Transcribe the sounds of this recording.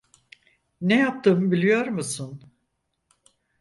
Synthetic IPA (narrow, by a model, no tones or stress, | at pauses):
nejap̚t̪ʰɯːmbilʲijo̞ɾmusun